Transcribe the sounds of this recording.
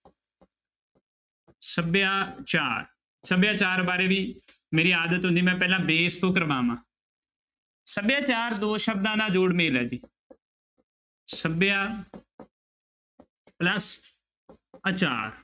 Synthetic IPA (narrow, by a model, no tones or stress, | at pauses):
səbjãːt͡ʃaːɾ | səbjãːt͡ʃaːɾbaːɾeːʋiː | meːɾiːaːd̪ət̪ɦʊ̃nd̪iːmɛ̃ːpɛːlãːbeːɪst̪oːkəɾʋaːmãː | səbjãːt͡ʃaːɾd̪oːʃəb̚d̪ãːnãːd͡ʒoːɽmeːlɛːd͡ʒiː | səbjãː | pləs | ət͡ʃa̰ːɾ